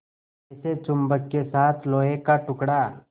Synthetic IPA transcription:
ɛset͡ʃʊmbəkkesaːt̪ʰloːekaʈʊkɽaː

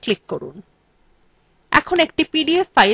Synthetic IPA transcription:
klikːoɾṵn | ɛ̰kʰonek̚ʈipiɖiefaj

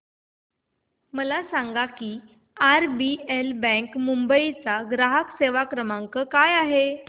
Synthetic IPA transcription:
məlasaŋɡakiː | aɾbielbə̃ŋkmumbəit͡saɡɾaɦəkseʋakɾəmaŋkəkajaɦe

